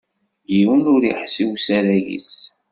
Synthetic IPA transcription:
jiwənʊɾḭħsiwsæɾæjḭs

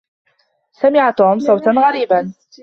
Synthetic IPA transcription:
samɪʕat̪uːmsˤɑwt̪anɣaɾiːban

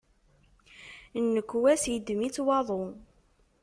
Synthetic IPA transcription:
nːəkʷːwæsjəd̪mit͡sːwɑðˤo

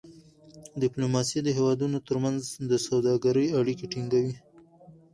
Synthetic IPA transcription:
dɪplumɑsid̪əɦewɑd̪unot̪əɾmanzd̪əsawd̪ɑɡaɾəjaɽikeʈiŋɡawi

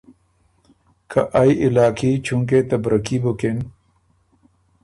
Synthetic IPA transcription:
kʰɐʔajʔɪlaːkʰit͡ɕʰuŋk̬et̪ɐbɾɐkibuken

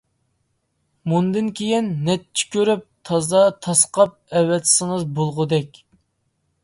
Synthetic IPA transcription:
mund̪ɨnkʲʰejinːɛt̪̚t͡ʃʰːi̥kʲøɾyp̚t̪ʰɑzɑt̪ʰɑsqʰɑp̚ɛwːɛt̪ʰsɪŋəzbolˠʁʊd̪ɛkʲ

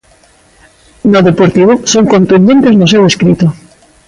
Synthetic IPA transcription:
noðepoɾt̪iβosoŋkõnt̪und̪ent̪eznoseweskɾit̪o

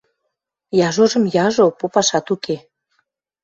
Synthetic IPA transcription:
jɑʒoʒə̆mjɑʒopopɑʃɑt̪uke

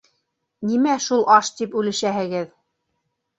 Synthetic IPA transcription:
nimæʃulˠʔɑʃt̪ipʉlɘ̆ʃæɦɘ̆ɡɘð

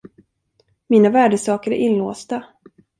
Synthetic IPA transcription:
miːnavæːɖəsɑːkəɾæ̰ɾʔɪnloːst̪a

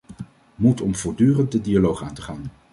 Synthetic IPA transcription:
mutɔmv̥ʊːɹdyːrənt̚dədialowχaːntəχaːn

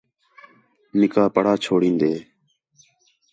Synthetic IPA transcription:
nɪkaːpəɽaːt͡ʃʰoːɽĩːnd̪eː

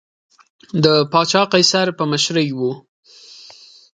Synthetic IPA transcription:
d̪əpɑt͡ʃɑqajsaɾpəmaʃɾəjwu

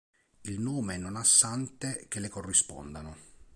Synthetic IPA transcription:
ilnoːmeɛnːonasːant̪ek̟elːekorːispɔ̰nd̪ano

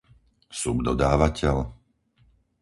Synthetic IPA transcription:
subd̪ɔd̪aːʋacɛl

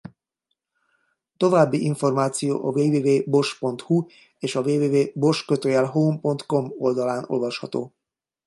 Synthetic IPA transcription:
t̪o̞vaːbːiʔiɱfo̞rmaːt̪sijo̰ːʔɒveːveːveːbo̞ʃpo̞nt̪hu | eːʃɒveːveːveːbo̞ʃkøt̪øjɛlɦoːmpo̞nt̪ko̞mo̞ld̪ɒlaːno̞̰lvɒʃhɒ̰t̪o̰ː

